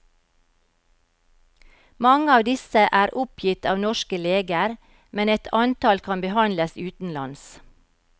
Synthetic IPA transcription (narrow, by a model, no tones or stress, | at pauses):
mɑŋəɑːʋd̪ɪsəʔæːɾʔʊpʰjɪt̪ɑːʋnɔʃkəleːɡəɾ | mɛnɛt̪ʰɑnt̪ɑlkʰɑnbəhɑnləsʉːt̪n̩lɑ̰ns